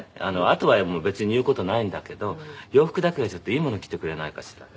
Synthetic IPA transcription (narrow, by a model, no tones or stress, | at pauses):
a̰no̞at̪o̞βamo̞ːbe̞t͡sɨɲ̟ijɯ̟ːko̞t̪o̞naĩnd̪ake̞d̪o̞jo̞ːɸɯ̥kɯ̟d̪ake̞ɡat͡ɕo̞t̪ːo̞iːmo̞no̞kʲi̥t̪e̞kɯ̟ɾe̞naikaɕi̥ɾa